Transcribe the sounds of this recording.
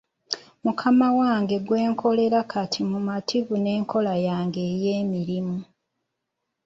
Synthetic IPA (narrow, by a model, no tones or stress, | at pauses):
mukʰamawaːŋɡe̞ɡwe̞ːŋkʰo̞le̞ɾakʰatʰimumatʰiβune̞ːŋkʰo̞lajaːŋɡe̞ːje̞ːmiɾimu